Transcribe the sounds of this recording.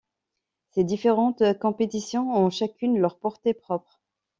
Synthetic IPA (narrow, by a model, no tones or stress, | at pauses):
sed̪ifeʁɑ̃t̪kɔ̃pet̪isjɔ̃ɔ̃ʃakʲynlœʁpɔʁt̪epχɔpχ